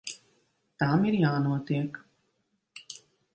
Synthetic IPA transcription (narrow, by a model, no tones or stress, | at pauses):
t̪aːmiɾijaːnoːt̪eək